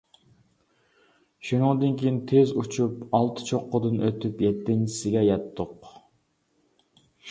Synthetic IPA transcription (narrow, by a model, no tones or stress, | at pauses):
ʃunɨŋd̪ɨnkʲʰijint̪ʰezut͡ʃʰupɑlˠt̪ʰɨ̥t͡ʃʰoqːʊd̪ɨnøt̪ʰypjɛt̪ːɪŋt͡ʃi̥sɪɡʲɛjɛt̪ʰːʊq